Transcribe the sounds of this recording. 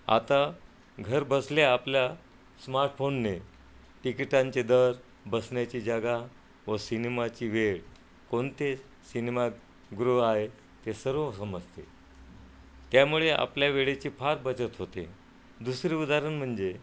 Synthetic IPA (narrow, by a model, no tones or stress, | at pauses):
a̰t̪a | ɡʱəɾbəsleaplja | smaɾʈfonːe | ʈikiʈãɲt͡ɕed̪əɾ | bəsɳjat͡ɕiːd͡ʑaɡa | ʋəsinemat͡ɕiːʋeɭ | koɳt̪e | sinema | ɡɾoaɦe | t̪esəɾosəməd͡zʱt̪ḛ | t̪jamuɭeʔa̰pljaʋeɭet͡ɕiːpʰaɾbət͡ɕət̪ɦot̪ḛ | d̪usɾiud̪aɾəɳm̤əɳd͡ʑe